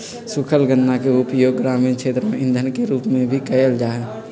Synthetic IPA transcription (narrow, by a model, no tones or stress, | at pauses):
sʊkʰəlɡənːakeʊpjoːɡːɾaːmiːnkʃʰeːt̪ɾəmẽɪ̃nd̪ʱənkeɾuːpmẽbʱikəjəld͡ʒaːɦɛ̃ː